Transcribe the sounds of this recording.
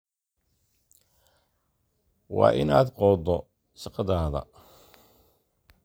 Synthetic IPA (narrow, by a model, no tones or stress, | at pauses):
wɑ̰ːʔɪnaːd̪qɔːd̪ɔ | ʃɐqɑðaːðɐ̰